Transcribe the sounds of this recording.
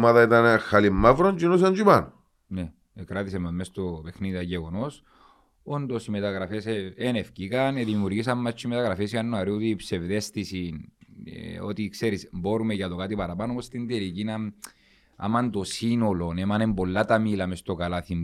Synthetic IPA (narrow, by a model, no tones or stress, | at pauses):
maðɐit̪ɐnxalimːavɾont͡ʃinos̬ɐnd͡ʒupan | ne | ekɾɐt̪isememmːest̪ope̞xniðiɐʝeɣono̞s | ond̪o̞simet̪ɐɣɾɐfeseenefcikɐneðimiuɾʝis̬ɐmːɐt͡ʃːuimet̪ɐɣɾɐfesjɐnːoɐɾiot̪iːpsevðe̞st̪isinḛo̰t̪ikseɾismbo̞ɾumeʝɐt̪okat̪ipɐɾɐpɐnoomost̪ind̪elicinɐ | ɐ̰mɐnt̪o̞sino̞lo̞nemɐnembo̞lːat̪ɐmilɐme̞st̪o̞kɐlɐθim